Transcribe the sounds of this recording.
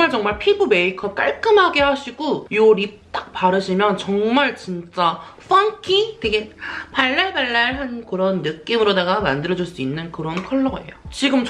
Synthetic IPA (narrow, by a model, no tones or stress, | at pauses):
ŋmaɭt͡ɕʌŋmaɭpʰibume̞ikʰʌp̚k͈aɭk͈ɯmɦaɡe̞haɕʰiɡojoɾip̚t͈ak̚p͈aɾɯɕʰimjʌnt͡ɕʌŋmaɭt͡ɕint͡ɕ͈aɸ͈ʰaŋkʰitweɡe̞paɭːaɭbaɭːaɭɦankɯɾʌnːɯk͈imɯɾodaɡamandɯɾʌd͡ʑuɭs͈uinːɯnkɯɾʌnkʰʌɭːʌɡa̰ḛjot͡ɕiɡɯmt͡ɕ